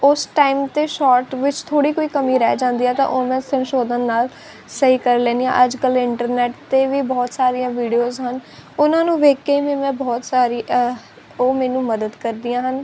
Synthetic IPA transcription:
ʊsʈaːimt̪eːʃɔːɾʈʋɪt͡ʃt̪ʰoːɽiːkoːiːkəmiːɾɛ̰ːd͡ʒãːnd̪iːɦɛːt̪ã̰ːʔoːmɛ̃ːsənʃoːd̪ənːaːl | səɦiːkəɾlɛːnd̪ijã̰ːʔəd͡ʒkəlɪɳʈəɾnɛːʈt̪eːʋiːbɔːt̪saːɾɪjãːʋiːɖijoːzɦənʊnãːnũːʋeːkːeːʋiːmɛ̃ːbɔːt̪saːɾi | oːmɛ̃ːnũːməd̪əd̪kəɾd̪ɪjãːɦən

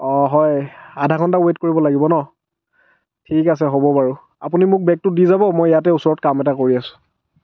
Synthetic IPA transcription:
ɔɦɔjadʱakʰɔntawet̚koɹibɔlaɡibɔnɔ | tʰikas̬ɛɦobɔpaɹu | apunimʊk̚bɛk̚tʊdizabɔmojjatɛusɔɹɔtkamɛtakoɹiasʊ̥̃

